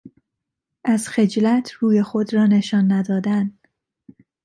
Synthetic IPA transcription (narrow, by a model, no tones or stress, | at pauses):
ʔæzxe̞d͡ʒlæt̪ʰruːjexod̪rɒːne̞ʃɒːnːæd̪ɒːd̪ænd̪